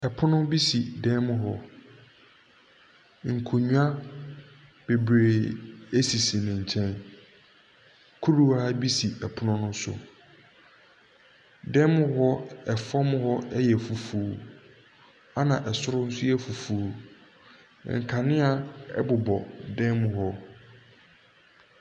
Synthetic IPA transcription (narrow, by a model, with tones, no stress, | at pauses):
ɛ˨pʰʊ˦nʊ̃˦bi˦si˨dɛ˦m˦ɦɔ˦ | ŋ̩˨kʰo˨ɲũ˦a˦ | b̥e˨bɾeː˨e˦si˨si˨nɪ̃˨ɲ̩˨t͡ɕʰɛ̃˦n | kʰu˦ɾu˨a˦bi˦si˨ɛ˨pʰʊ˦nʊ̃˦nʊ̃˦sʊ̰˨ | dɛ̃˦m˦ɦɔ˦ɛ˨fɔ˦m˦hɔ˦ɛ˦jɛ˨fu˨fuː˨˦ | a˦nã˨ʔɛ˨sʊ˦ɾʊ˦n̩˦sʊ˦ɛ˦fu˨fuː˨˦˨ | ŋ̩˨kʰã˨nɪ̃˦a˨ɛ̰˦bʊ˨bɔ˨dɛ̃˦m˦hɔ˦